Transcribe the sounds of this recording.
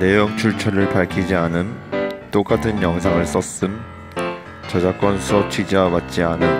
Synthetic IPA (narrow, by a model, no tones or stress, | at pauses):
ne̞joŋt͡ɕʰuɭt͡ɕʰʌɾɯɭpaɭkʰid͡ʑianɯnt͈ok͈atʰɯnjʌŋs̬ʰaŋɯɭs͈ʌs͈ɯm | t͡ɕʌd͡ʑak͈wʌnsʰʌt͡ɕʰɥid͡ʑiawat̚t͡ɕ͈ianɯn